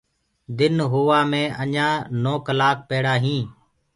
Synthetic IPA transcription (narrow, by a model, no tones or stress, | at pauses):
d̪ɪnɦoːʋaːmẽːʔəɲãːnoːkəlaːk̚peːɽaːɦĩː